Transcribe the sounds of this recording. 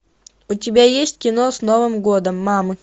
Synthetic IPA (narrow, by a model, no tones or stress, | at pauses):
ʊtʲɪbʲajesʲtʲkʲɪnosnovɨmɡod̪əmːamɨ